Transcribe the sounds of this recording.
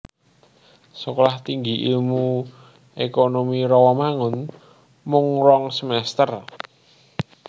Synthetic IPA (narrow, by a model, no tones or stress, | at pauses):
səkɔlaht̪iŋɡiʔilmu | ekonomiɾɔwɔmaŋʊn | mʊŋɾɔŋsəmɛst̪ər